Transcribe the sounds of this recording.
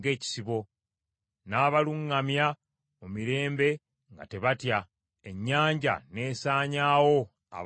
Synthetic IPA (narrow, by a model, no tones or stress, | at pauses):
ɡe̞ːci̥siβo̞ | naːβaluŋːamja | omiɾe̞ːmbe̞ | ŋɡa̰te̞βatja | eɲːaːɲɟa̰ne̞ːsaːɲaːwo̞ | a̰β